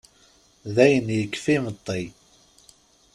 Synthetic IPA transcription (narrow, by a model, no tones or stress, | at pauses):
ðæjənjəkːfimət̪ˤːi